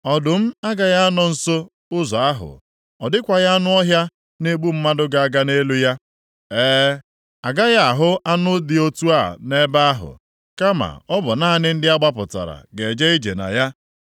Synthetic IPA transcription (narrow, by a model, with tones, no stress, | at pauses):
ɔ˨dʊ˨m̩˦a˦ɡa˨ja˦nɔ˨n̩˨so˦ | ʊ˦zɔ˨a˦ɦʊ̰˨ | ɔ˨dɪ˦kʷa˨ja˦nʊ˦ɔ˦ɦja˦ | ne˦ɡ͡bu˦m̩˦ma˦dʊ˦ɡa˨a˨ɡa˦ne˦lu˦ja˦ | ɛː˦ | a˨ɡa˦ja˦a˨ɦʊ˦ʔa˦nʊ˦dɪ˨o˦tu˦a̰˦˨ne˦ba˦a˦ɦʊ̰˨ | ka˦ma̰˨ɔ˦bɔ˨na˦nɪ˦n̩˦dɪ˦a˦ɡ͡ba˦pʊ˨ta̰˨ɾa̰˨ɡe˨d͡ʒe˦i˦d͡ʒḛ˨na̰˨ja˦